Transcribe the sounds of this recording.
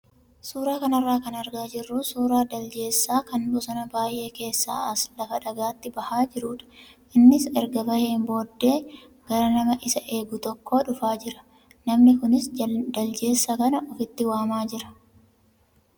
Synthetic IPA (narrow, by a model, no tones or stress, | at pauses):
suːɾaːkɐnɐrːaːkɐnɐɾɡaːd͡ʒɪrːusuːɾaːd̪ɐld͡ʒe̞ːsːaːkɐnbɔsɔnɐbaːjʔe̞ːke̞ːsːa̰ːɐslɐfɐᶑɐɡaːt̪ːɪbɐhaːd͡ʒɪɾuːᶑɐ̥ʔɪnːɪsɛɾɡɐbɐheːmbo̞ːd̪ːe̞ː | ɡ̥ɐɾɐnɐmɐʔɪsɐʔe̞ːɡʊt̪ɔkːo̞ːᶑʊfaːd͡ʒɪɾɐ̥ | nɐmnɪkʊnɪsd̪ɐld͡ʒe̞ːsːɐkɐnɐʔɔfɪt̪ːɪwaːmaːd͡ʒɪɾɐ̥